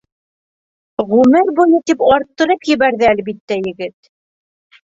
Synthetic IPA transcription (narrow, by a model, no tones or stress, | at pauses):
ʁʉmɘɾbuj̪ˠɤt̪ipɑɾt̪ːɤ̆ɾɤpjɘ̆βæɾðɘælbit̪ːæjɘ̆ɡɘt̪